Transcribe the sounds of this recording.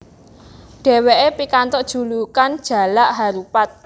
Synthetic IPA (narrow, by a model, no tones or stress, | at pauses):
ɖ̥ɛ̤weʔepikant̪ɔʔd̥ʒ̥ṳlukand̥ʒ̥a̤laʔɦaɾupat̪̚